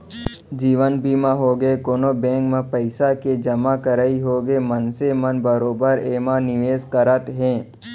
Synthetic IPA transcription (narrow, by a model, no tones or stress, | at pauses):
d͡ʒiːʋənbiːmãɦoɡəekoːnobɛ̃ːŋkmẽpəɪsaked͡ʒɐmakəɾaːiɦoːɡəemənsemənbəɾoːbəɾeːmanɪʋeːzkəɾət̪ɦɛ̃ː